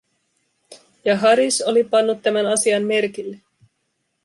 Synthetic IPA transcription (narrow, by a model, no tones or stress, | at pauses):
jɑɦɑɾisolipɑnːut̪ːæmænɑsiɑmme̞rkilːe